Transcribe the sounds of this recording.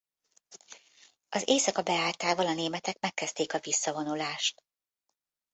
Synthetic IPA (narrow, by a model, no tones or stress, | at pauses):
ɒzeːsɒkɒbɛaːlt̪aːvɒlɒneːmɛt̪ɛkmɛkːɛst̪eːkɒvisːɒvo̞nulaːʃt̪